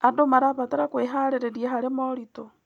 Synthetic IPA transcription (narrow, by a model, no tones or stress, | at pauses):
andomaɾaβateɾakweɦaɾeɾeɾieɦaɾemoɾito